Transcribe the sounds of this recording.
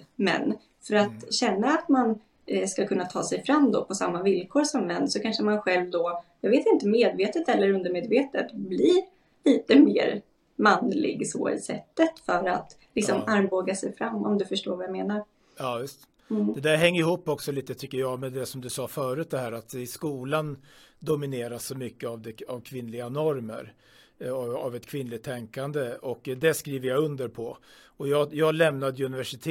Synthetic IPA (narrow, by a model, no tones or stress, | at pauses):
mɛ̰n | fœɾat̪ɕɛnːaːt̪man | skakʰɵnːat̪ʰɑːsɛjfɾamːd̪ɔpʰɔsamːavɪlkʰoːɾsɔmːɛnːsɔkʰanʂəmanɧɛlvd̪ɔjɑːɡveːt̪ɪnt̪əmeːd̪veːt̪ət̪ʰɛlːəɾɵnd̪əɾmeːd̪veːt̪ət̪bli | liːt̪əmḛːɾ | manlɪ̰ɡsɔ̰ɪ̰sɛ̰t̪ːət̪fœɾa̰t̪lɪksɔmaɾmboːɡasɛjfɾamːɔ̰md̪ɵfœʂʈoːɾvajameːnaɾ | ɑːjɵst̪ | d̪ɛd̪æːɾɦɛŋːəɾɪhuːpːɔksɔliːt̪ət̪ʰʏkːəɾjɑːɡmɛd̪ɛsɔmd̪ɵsɑːfœːɾʉ̟ːt̪d̪ɛhæːɾat̪ɪskuːland̪ʊmɪneːɾasːɔmʏkːəavd̪ɛavkʰvɪnlɪɡanɔɾmə̰ɾ | avɛt̪kʰvɪnːlɪt̪ʰːɛŋkand̪əɔkːd̪ɛskɾiːvəɾjaɵnd̪əɾpʰɔ | ɔjɑːjɑːɡlɛmnad̪əjɵnɪvæʂɪt̪ʰː